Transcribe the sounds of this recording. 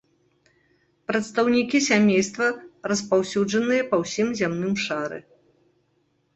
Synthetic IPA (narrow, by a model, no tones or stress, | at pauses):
pɾɐt̪st̪ɐwnʲikʲisʲamʲejst̪vɐɾɐspawsʲud͡ʐɐnɨjɐpɐwsʲimzʲamn̪ɨmʂaɾɨ̰